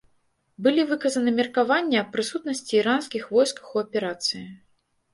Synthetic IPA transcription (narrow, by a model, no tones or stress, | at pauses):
bɨlʲivɨkɐzɐnɨmʲɛrkavanʲːɛɐpːɾɨsut̪nɐsʲt͡sʲiːɾanskʲixvɔjskɐ̥xuɐpʲɛɾat̪sɨji